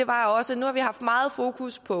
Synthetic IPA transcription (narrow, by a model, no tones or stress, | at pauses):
e̝ʋɑ̈ɒ̽sənuhɑ̈ʋihɑ̈fd̥mɑ̈ːð̩ˠfo̝ːkʰuspʰɒ̽